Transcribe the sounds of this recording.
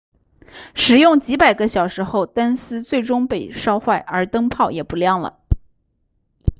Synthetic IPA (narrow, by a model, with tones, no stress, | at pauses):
ʂɻ̩˨˩jʊ˥˩ŋt͡ɕi˧˥pa˨˩ɪɡə˦ɕjɑ˨˩ʊʂɻ̩˧˥xo˥˧ʊt̪a˥nsɹ̩˥t͡swe˥˩ɪʈ͡ʂʊ˥ŋpe˥˩ɪʂɑ˥ʊxwa˥˩ɪʔə˞˧˥t̪ɤ˥ŋpʰɑ˥˩ʊjɛ˨˩pu˧˥ljɑ˥˩ŋlə̰˩